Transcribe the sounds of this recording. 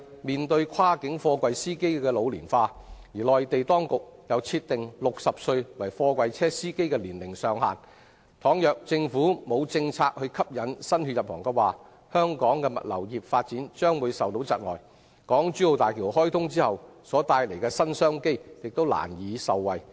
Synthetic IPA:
miː˨nt̪ɵ˧ɥkʷʰwaː˥kɪ˨˥ŋfɔː˧kwɐ˧jsiː˥ke˥jkɛː˧lo˨˧wliː˨˩nfaː˧ | jiː˨˩lɔː˨jt̪e˨jt̪ɔː˥ŋkʊ˨k̚jɐ˨˧wt͡sʰiː˧t̪̚ɪ˨ŋlʊ˨k̚sɐ˨p̚sɵ˧ɥwɐ˨˩jfɔː˧kwʷɐ˧jt͡sʰɛː˥siː˥ke˥jkɛː˧liː˨˩nlɪ˨˩ŋsœː˨˧ŋha̰ː˨n | t̪ʰɔː˨˥ŋjœː˨k̚t͡sɪ˧ŋfuː˨˥mo˨˧wt͡sɪ˧ŋt͡sʰaː˧k̚hɵ˧ɥkʰɐ˥p̚jɐ˨˧˥nsɐ˥nhy˨t̚jɐ˨p̚hɔː˨˩ŋkɛ˧waː˨ | hœː˥ŋkɔː˨˥ŋkɛ˧mɐ̰˨t̚lɐ̰˨˩wjiː˨˩p̚faː˧t̚t͡siː˨˥nt͡ʃœː˥ŋwuː˨˧jsɐ˨wt̪o˨˥wt͡sɐ̰˨t̚ŋɔː˨˩j | kɔː˨˥ŋt͡ʃyː˨˥o˨˧wt̪aː˨jkʰiː˨˩ɦɔː˥jt̪ʰʊ˥ŋt͡siː˥hɐ˨wsɔː˨˥t̪aː˧jle˨˩jkɛː˧sɐ˥nsœː˥ŋke˥jjɪ˨k̚t̪o˥wla̰ː˨˩njiː˨˧sɐ˨wwɐ˨j

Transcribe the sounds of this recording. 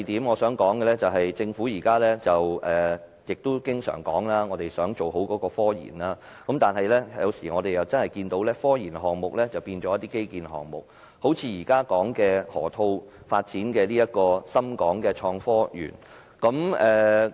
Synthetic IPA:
t̪iː˨˥mŋɔː˨˧sœː˨˥ŋkɔː˨˥ŋkɛ˧lɛ˥t͡sɐ˨wɦɐ˨jt͡sɪ˧ŋfuː˨˥jiː˨˩kaː˥lɛː˥t͡sɐ˨wɛː˨ | jɪ˨k̚t̪ʊ˥kɪ˥ŋsœ̰ː˨˩ŋkɔ̰ː˨˥ŋlaː˥ŋɔː˨˧t̪e˨jsœː˨˥ŋt͡ʃo˨˩wɦo˨˥wkɔː˨˧˥kɔː˧fɔː˥jḭ˨˩nlaː˥ | kɐ˨˦mt̪aː˨nɦɐ˨jlɛ˥jɐ̰˨˧wsiː˨˩ŋɔː˨˧d̪e˨jɐ˨wt͡sɐ˥nhɐ˨jkiː˧nt̪o˨˥wlɛː˥fɔː˥jiː˨˩nɦɔː˨˩ŋmʊ˨k̚lɛ˥t͡sɐ˨wpiː˧nt͡ʃɔː˨˦jɐ˥t̪iː˥ke˥jkiː˨nɦɔ̰ː˨˩ŋmʊ˨k̚ | ho˨˥wt͡sʰiː˨˧jiː˨˩kaː˥kɔː˨˥ŋkɛː˧hɔ̰ː˨˩t̪ʰo˧w | faː˧t̚t͡siː˨˥nkɛː˧liː˥jɐ˥t̚kɔː˧sɐ˥mkɔː˨˥ŋkɛː˧t͡ʃʰɔː˧ŋfɔː˥jy̰ː˨˩n | kɐ˨˥mɛː˨˩

